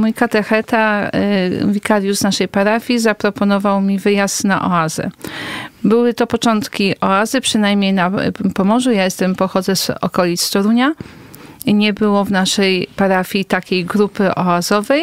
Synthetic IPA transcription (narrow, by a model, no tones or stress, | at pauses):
mujkat̪ɛxɛt̪a | vʲikaɾjuznaʂɛjpaɾafʲizapɾɔpɔnɔvawmʲivɘjast̪na̰ʔɔ̰azɛ̰ | bɘwɘt̪ɔpɔt͡ʂɔnt̪kʲiʔɔazɘpʂɘnajmɲejnapɔmɔʐujajɛst̪ɛmpɔxɔd̪zɛzɔ̰kɔlʲit̪st̪ɔɾuɲa | ɲɛbɘwɔvnaʂɛjpaɾafʲit̪akʲejɡɾupɘʔɔazɔvɛj